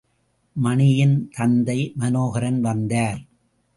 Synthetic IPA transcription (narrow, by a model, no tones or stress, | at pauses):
mɐɳɪjɪnt̪ɐnd̪ɐɪmɐnoːɣɐɾɐnʋɐnd̪aːɾ